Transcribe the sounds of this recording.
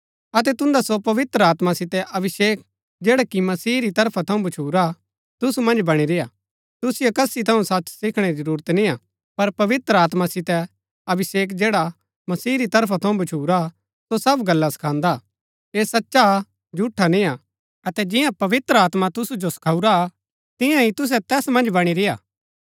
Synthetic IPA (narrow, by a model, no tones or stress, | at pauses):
ɐt̪ɛt̪ʊ̃nd̪asopɐʋɪt̪ɾəaːt̪masɪt̪ɛʔɐbɪʃeːk̚ | d͡ʒeːɽakimɐsiːɾit̪ɐɾpʰat̪ʰɐũbɐt͡ʃʰuːɾa | t̪ʊsumɐ̃nd͡ʒbɐɽ̃iɾɪja | t̪ʊsɪjokɐsit̪ʰɐũsɐtːt͡ʃsɪkʰɽ̃eɾizɐɾuːɾət̪nĩa | pɐɾpɐʋɪt̪ɾəaːt̪masɪt̪ɛ | ɐbɪseːk̬d͡ʒeːɽa | mɐsiːɾit̪ɐɾpʰat̪ʰɐ̃ũbɐt͡ʃʰuːɾa | sosɐbɡɐlːasɐ̥kʰãːnd̪a | eːsɐtːʃa | d͡ʒʱuʈʰːanɪ̃ja | ɐt̪ɛd͡ʒɪjãpɐʋɪt̪ɾəaːt̪mat̪ʊsud͡ʒosɐ̥kʰauɾa | t̪ɪ̃jãɦit̪ʊs̬ɛt̪ɛːsmɐ̃nd͡ʒbɐɽ̃iɾɪja̰ː